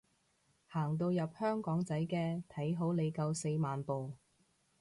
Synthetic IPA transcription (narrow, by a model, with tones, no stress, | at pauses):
haː˨˩ŋt̪o˧wjɐ˨p̚hœː˥ŋkɔː˨˥ŋt͡sɐ˨˥jkɛː˧t̪ʰɐ˨˥jɦo˨˥wle˨˧jkɐ˧wse˧jmaː˨npo˨w